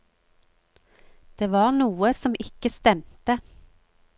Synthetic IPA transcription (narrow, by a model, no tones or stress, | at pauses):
d̪̥eːʋɑːʁnuːəsɔmʔɪkəst̪ɛmt̪ə